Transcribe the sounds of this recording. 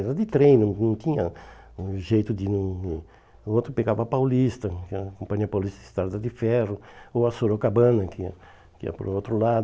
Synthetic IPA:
ɛɾɐd̪ɪt̪ɾẽj̃nɐ̃nɐ̃w̃t̪ĩɲɐ | ʒejt̪ʊd̪ɪnɐ̃ɛ | ot̪ɾʊpeɡavɐapawlist̪ɐkɛɐkõmpɐ̃ɲiɐpawlist̪ɐɪst̪aɾd̪ɐd̪ɪfɛrʊowɐsoɾokabɐ̃nɐkɐ | kɪɛ̰ɐ̰po̰ɾowt̪ɾʊlad̪

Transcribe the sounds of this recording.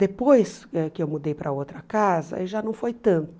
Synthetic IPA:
d̪epojsɛkɪewmud̪ejpɾɐowt̪ɾɐkazɐ̰eʒanɐ̃w̃fojt̪ɐ̃nt̪ʊ

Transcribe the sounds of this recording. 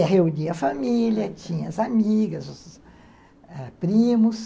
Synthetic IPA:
ɐɦeũɲiɐfamilʲjɐt͡ʃĩɲɐɐzamiɡɐzʊs | ɛpɾĩmʊs

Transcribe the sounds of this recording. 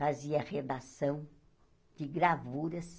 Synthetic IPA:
faziɐʁed̪asɐ̃w̃ | d͡ʒ̥ɪɡɾavuɾɐs

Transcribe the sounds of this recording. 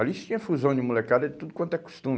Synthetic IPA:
ɔlɐisut̪ĩɲɐfuzɐ̃w̃nimulˠekaɾɐd̪ɨt̪udukwɐ̃nt̪ɛku̥ʃt̪ũm

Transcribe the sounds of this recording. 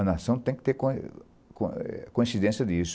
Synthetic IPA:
ɐnasɐ̃w̃t̪ẽj̃kɪ̥t̪eɾkõ | ko̰kõĩnsid̪ẽnsjɐd̪isʊ̥

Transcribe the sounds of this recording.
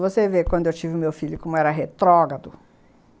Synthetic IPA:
vosevekwɐ̃nd̪ʊewt͡ʃivɪʊmewfilʊkõmʊɛɾɐɦet̪ɾɔɡɐd̪ʊ

